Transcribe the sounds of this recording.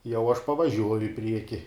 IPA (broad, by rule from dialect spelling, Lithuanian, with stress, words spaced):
jɛʊ ɐʃ pɐʋɐˈʒʲuɔjʊ ɪ ˈpʲrʲiɛkʲɪ